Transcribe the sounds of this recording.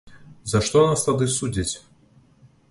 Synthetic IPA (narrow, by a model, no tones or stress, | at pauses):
zɐʂt̪ɔnast̪ad̪ɨsud͡zʲit͡sʲ